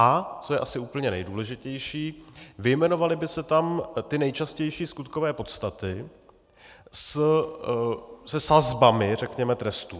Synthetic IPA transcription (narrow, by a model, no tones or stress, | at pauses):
ʔat͡sojɛʔasɪuːpl̩ɲɛnɛ̰jduːlɛʒɪcɛjʃiːvɪjmɛno̞valɪbɪsɛt̪amt̪ɪnɛjt͡ʃascɛjʃiːskut̪kovɛːpo̞t̪st̪at̪ɪ | s | sɛsazbamɪrɛkɲɛmɛt̪ɾɛst̪uː